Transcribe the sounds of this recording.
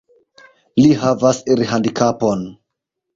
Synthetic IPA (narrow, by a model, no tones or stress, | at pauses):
liɦavaseɾiɦandikapo̞n